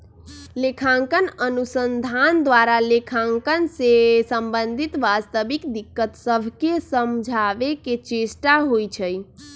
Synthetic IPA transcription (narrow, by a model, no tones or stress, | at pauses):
lekʰãŋkənənusənd̪ʱand̪ʋaɾalekʰãŋkənsesəmbənd̪ʱit̪ʋast̪əbikd̪ikːət̪səbʱkesəmd͡ʒʱaʋeket͡ʃesʈaɦojt͡ʃʰəj